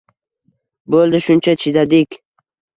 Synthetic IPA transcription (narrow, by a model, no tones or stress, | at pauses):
bolˠd̪ɪʃʊnt͡ʃʰat͡ʃʰɪd̪ad̪ɪkʲ